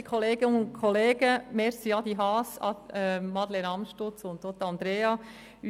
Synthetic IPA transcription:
kʰχɔleːɡ̥ənʊnkʰɔleːɡ̥əmɛɾsiɑd̪iɦɑːsɑ̰ɛmɑd̪leɾɑmʃtʊt͡sʊnt̪doːt̪ɑnd̪ɾeːɑ | y

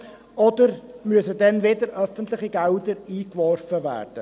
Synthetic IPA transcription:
ɔd̪əɾmyəsədɛnvedəɾʔœfənt̪lɪχiɡɛwdəɾiːkʋɔrfəvæ̰ːrd̥ə

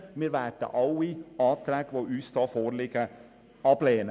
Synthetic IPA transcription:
meʋæːʈə̰ʔɑʊiɑːt̪ʰɾækʋɔʔʉːst̪ɑːfoːɾlɪɡ̥ə | ɑpleːən

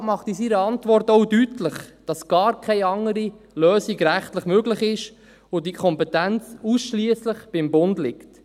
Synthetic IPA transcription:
mɑχtisiɾəɑntʋɔrtoʊdytləχd̥ɑsɡ̥ɑːɾkʰɛɪɑŋəɾi | lœːsiɡɾæχtləχmøɡləχɪʃ | ʊdikʰχɔmpɛtænt͡susʃliəsləχb̥ɪmbʊndlɪkt

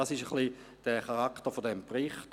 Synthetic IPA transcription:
ɑsɪʃəχli | d̥ɛχɑʁɑktəfodɛmpʁɪχt

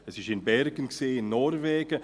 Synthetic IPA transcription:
ɛsɪʃɪnbɛɾɡənkseːɪnːɔɾvɛːɡ̥ə

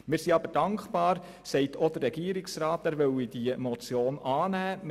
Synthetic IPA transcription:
mɪːɾsiɑbəɾd̥ɑŋkχbɑːɾ | sɛɪtʰɔd̥̪ərːɛɡ̥iəɾɪksrɑːtæɾvœwid̥iəmɔt͡sjoːnɑːnæːm

